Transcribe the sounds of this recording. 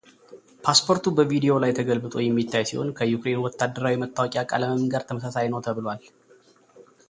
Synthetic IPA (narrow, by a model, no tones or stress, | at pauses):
pʰaspʰo̞ɾt̪ʰubəvid̪ijo̞lajt̪ʰəɡəlbɨt̪ʼo̞jɛmːit̪ːajsḭho̞̰nkʰəjukɾe̞nuwɔt̪ʰːad̪ːəɾawimət̪ːawɔkʼjakʼa̰ləməmɡaɾt̪ʰəməsasajnəwt̪ʰəβɨlowal